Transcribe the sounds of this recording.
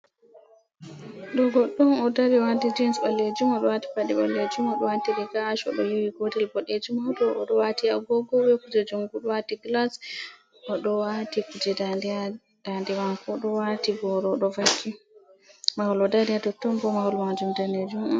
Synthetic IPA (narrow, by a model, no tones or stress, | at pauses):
ɗɔɡɔɗːɔnɔdaɾiwadid͡ʒɛnsalːed͡ʒumɔɗɔwati̥paɗiɓalːed͡ʒumɔɗɔwatiɾɛɡaːʃɔ̰ɗɔjowiɡodɛlbɔɗed͡ʒumɔdɔʔɔɗɔwatiaɡɔɡɔwɛkud͡ʒɛd͡ʒumɡuɗɔwatiɡlas | ɔɗɔwatikud͡ʒɛdad | d̥andɛwankɔɗɔwatibɔɾɔɗɔvakʰːi | mawɔlɔdaɾiadɔtːɔmbɔmawɔlmand͡ʒumdaned͡ʒumɔ